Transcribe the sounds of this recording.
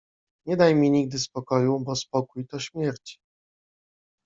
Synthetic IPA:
ɲɛd̪ajmʲiɲiɡ̚d̪ɘspɔkɔjubɔspɔkujt̪ɔɕmʲjɛɾt͡ɕi̥

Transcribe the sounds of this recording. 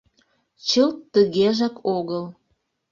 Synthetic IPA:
t͡ɕəlt̪ːəɣeʒɑkoɣəl

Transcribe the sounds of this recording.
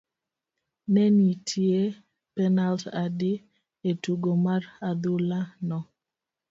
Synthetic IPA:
nɛnitʰje | pɛnaltadi | etuɡomarad̪ulanɔ

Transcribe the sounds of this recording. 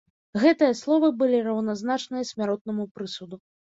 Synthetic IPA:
ɣɛt̪ɨjɐslˠɔvɨbɨlʲirɐwnaznat͡ʂnɨjɐsʲmʲaɾɔt̪̚nɐmupɾɨsud̪u

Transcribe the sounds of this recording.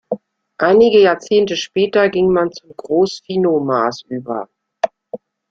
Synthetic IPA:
ʔaɪnɪɡəjaːɐt͡seːntəʃpɛːtɐɡɪŋmant͡sʊmɡʁoːsfiːnomaːsʔyːbɐ̰

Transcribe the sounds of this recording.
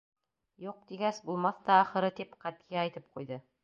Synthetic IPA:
juq̚t̪iɡæsbulˠmɑθt̪ɑːχɤ̆ɾɤt̪ipqæt̪̚kæɑjt̪ɤp̚qujðɤ

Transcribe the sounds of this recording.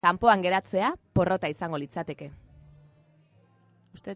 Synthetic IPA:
ampo̞aŋɡe̞ɾat͡se̞apo̞ro̞t̪aisaŋɡo̞lit͡sat̪e̞ke̞ | ust̪e

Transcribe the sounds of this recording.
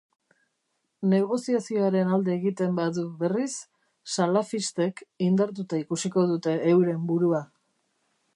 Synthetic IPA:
ne̞ɣ̞o̞siasio̞aɾe̞nald̪eːɣit̪e̞mbaðuβe̞risː | alafist̪e̞kind̪aɾt̪̬ut̪aikusiko̞ð̞ut̪e̞ːwɾe̞mbuɾua

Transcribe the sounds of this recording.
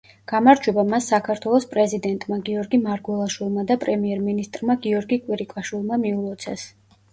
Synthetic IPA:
ɡ̥amaɾd͡ʒwɛbamasːakʰaɾt̪ʰwɛlˠɔspʼɾɛzid̪ɛnt̪ʼmaɡiɔɾɡimaɾɡwɛlˠaʃwilˠmad̪apʼɾɛmiɛɾminist̪ʼɾmaɡiɔɾɡikʼwiɾikʼaʃwilˠmamiulˠɔt̪sʰɛs

